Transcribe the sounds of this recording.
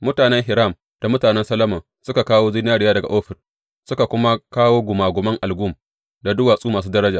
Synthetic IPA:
mʊ˦taː˨nɛ˦ŋɦɪ˨ɾa˦˨m | d̥a˨mʊ˦taː˨nɛ˦nsɐ˦lɐ˦mɐ˨ | sʊ˦ka˨kaː˦woː˦zɪ˦n˦aː˦ɽɪ˨jaː˦dɐ˨ɡa̰˨ʔoː˦ɸɪ˨r | sʊ˦ka˨kʷʊ˦ma˦kaː˦woː˦ɡʷʊ˨maː˨ɡʷʊ˨mɐ˦ŋʔa˨lɡuː˦˨m | da˨dʊ˦waː˨sʼuː˦maː˨suː˦dɐ˦ɾɐ˦d͡ʒaː˨

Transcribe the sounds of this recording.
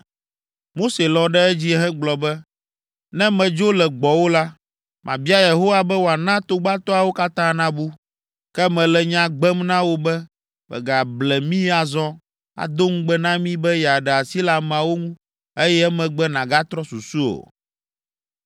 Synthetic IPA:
mo˦se˨lɔ˨ɖɛ˦ɛ˦d͡ʑi˦ɦɛ̃˦ɡ͡blɔ˨bɛ˦ | nɛ̃˦mɛ̃˨d͡ʒo˦lɛ˨ɡ͡bɔ˨wo˦la˦ | mʔã̰˨bi˦a˦je˨ɦo˦wa˦bɛ˦wo˨a˨nã˦t̪o˦ɡ͡ba˦t̪ɔ˦a˨wo˦ka˦t̪ã˦nã˦bu˦ | kɛ˦mɛ̃˨lɛ˨ɲã˨ɡ͡bɛ˦mnã˦wo˦bɛ˦ | mɛ̰˨ɡa˨blɛ˨mĩ˦a˨zɔ˦ | a̰˨d̪o˦ŋũ˦ɡ͡bɛ˦nã˦mĩ˦bɛ˦ja˨ɖɛ˨a˨si˦la˦mɛ̃˨a˨wo˦ŋũ˦ | e˦jɛ˦ɛ˦mɛ̃˨ɡ͡bɛ˦nã˨ɡa˦t̪ɾɔ˦su˨su˦o̰˨

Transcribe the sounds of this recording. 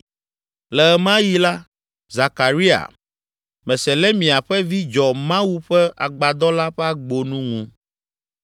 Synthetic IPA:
lɛ˨ɛ˨mã˦ji˦la˦ | za˨ka˨ɾi˦a̰˨ | mɛ̃˨sɛ˨lɛ˦mĩ˨a˨ɸɛ˦vi˦d͡ʒɔ˨mã˦wu˦ɸɛ˦a̰˨ɡ͡ba˨d̪ɔ˦la˦ɸɛ˦a˦ɡ͡bo˨nũ˦ŋũ˦

